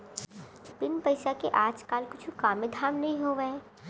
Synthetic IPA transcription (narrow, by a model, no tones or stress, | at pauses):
bɪnpɐɪʃakeʔaːd͡ʒkaːlkʊt͡ʃʰukaːmẽd̪ʱaːmnɐɦĩɦoːʋe